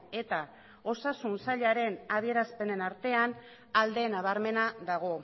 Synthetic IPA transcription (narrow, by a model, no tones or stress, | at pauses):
e̞t̪a | o̞sasunsaʎaɾe̞naβie̞ɾaspe̞ne̞naɾt̪e̞an | ald̪e̞naβ̞aɾme̞naðaɣ̞o̞